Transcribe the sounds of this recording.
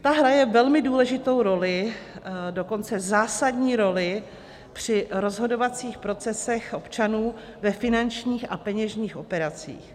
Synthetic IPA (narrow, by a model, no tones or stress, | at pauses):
t̪aɦɾajɛvɛlmɪduːlɛʒɪt̪o̞wɾo̞lɪ | do̞ko̞nt͡sɛzaːsadɲiːɾo̞lɪ | pr̥ɪɾo̞zɦo̞do̞vat͡siːxpɾo̞t͡sɛsɛxʔo̞pt͡ʃanuː | vɛfɪnant͡ʃɲiːxapɛɲɛʒɲiːxʔo̞pɛɾat͡sḭːx